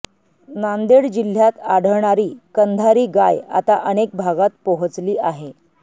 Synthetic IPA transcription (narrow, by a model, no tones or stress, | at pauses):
nand̪eɽd͡ʑil̤ːjat̪aɽ̤əɳ̃aɾiːkənd̪ʱaɾiːɡaja̰t̪aʔənek̚bʱaɡat̪̚pɔɦət͡sliːaɦe